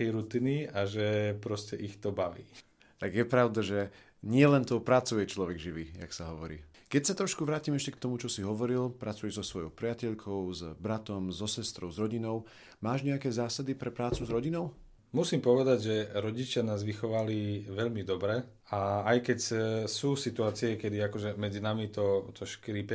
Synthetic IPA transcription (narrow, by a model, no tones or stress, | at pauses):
ɛjɾut̪iːniaʒɛpɾɔscɛʔixt̪ɔbaʋḭː | t̪aɡjɛpɾaʊd̪aʒɛ | ɲɪɛlɛnt̪ɔʊpɾat͡sujɛt͡ʃlɔʋɛɡʒiʋiːja̰ksaɦɔʋɔɾḭː | kɛcsat̪ɾɔʃkuʋɾaːciːmɛʃcɛk̚t̪ɔmut͡ʃɔsiɦɔʋɔɾilpɾat͡sujɛʒzɔsʋɔjɔʊpɾɪacɛʎkʰɔʊzbɾat̪ɔmzɔsɛst̪ɾɔʊzɾɔɟinɔʊ | maːʒɲɛakɛːzaːsad̪ipɾɛpɾaːt͡suzɾɔɟinɔʊ | musiːmpɔʋɛd̪aɟʒɛɾɔɟit͡ʃɪanaːzʋixɔʋaliʋɛʎmid̪ɔbɾɛ | aːjkɛcsuːsit̪uaːt͡siɛkɛd̪iakɔʒɛmɛd͡zinamit̪ɔt̪ʰɔʃkɾiːpɛ